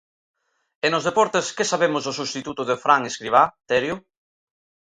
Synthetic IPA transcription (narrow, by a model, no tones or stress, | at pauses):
enozðepɔɾt̪eskesaβemʊzðosust̪it̪ut̪ʊðɪfɾaŋeskɾiβ̞at̪eɾjʊ